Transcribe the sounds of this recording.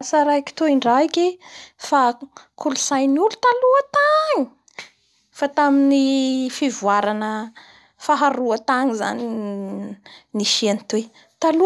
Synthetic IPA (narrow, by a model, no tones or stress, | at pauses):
saɾaiki̥t̪oiɳɖ͡ʐaikefakʰulusajnulu̥t̪aluət̪aŋi̥ | fat̪aminifivuaɾanə | faɦaɾuət̪aŋiza̰ni | niʃianit̪we | t̪alu